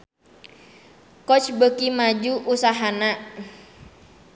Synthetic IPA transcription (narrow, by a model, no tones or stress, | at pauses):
kɔt͡ʃbəkimad͡ʒuʔusaɦana